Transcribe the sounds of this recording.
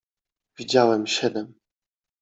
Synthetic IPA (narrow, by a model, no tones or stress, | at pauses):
vʲid͡ʑawɛmɕɛd̪ɛm